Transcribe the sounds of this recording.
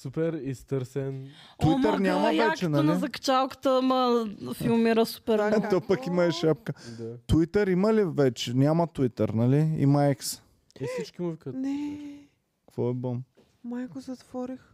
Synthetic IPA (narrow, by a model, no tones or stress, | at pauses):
supɛɾist̪əɾsɛn | t̪uit̪əɾnʲamɐjvɛkt͡ʃɛnɐlnizɐkɐ̥t͡ʃalˠkə̥t̪əmɐfilˠmiɾəsu̥pɛɾt̪opəkimɐɛʃap̚kəd̪at̪uit̪əɾiməlivɛt͡ʃɛnʲamət̪uit̪əɾnɐliḭmɐɛks | ɛsit͡ʃkimovikənɛ | kkvɔɛbom | majɡozɐt̪vɔɾix